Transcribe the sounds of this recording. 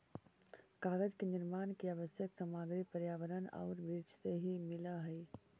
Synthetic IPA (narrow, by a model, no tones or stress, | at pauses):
kaːɾəd͡ʒkenɪɾmaːnkiaʋəsjəksəmaːɡɾipəɾjaːʋəɾəna̰ːɾbɾiːd͡ʒseɦimɪlaɦɛː